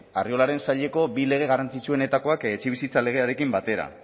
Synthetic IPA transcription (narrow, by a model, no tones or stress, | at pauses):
ario̞laɾe̞nsaʎe̞ko̞bile̞ɣ̞e̞ɣarant͡sit͡sue̞ne̞t̪ako̞ake̞t͡ʃeβ̞isit͡sale̞ɣ̞e̞aɾe̞kimbat̪e̞ɾa̰